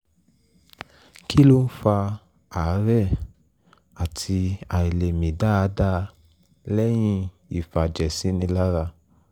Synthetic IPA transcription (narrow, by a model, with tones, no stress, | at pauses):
ki˦lo˦n̩˦fa˧ | a˨˦ɾɛ˦˨ | a˨tʰi˧a˨i˨le˨mĩ˨da˦a˧˦da˦ | lɛ˦j̃ĩ˧ | i˨fa˨d͡ʒɛ˨sĩ˨˦nĩ˧la˦ɾa˧